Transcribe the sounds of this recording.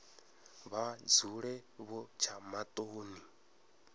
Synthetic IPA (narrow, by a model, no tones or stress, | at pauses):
βad͡zuɺɛβɔt͡ʃʰamat̪ʼoːni